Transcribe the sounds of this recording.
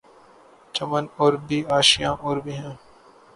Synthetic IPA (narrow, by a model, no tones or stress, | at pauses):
t͡ʃəmənɔːɾbiːaːʃijãʔɔːɾbʱiɦɛ̃ː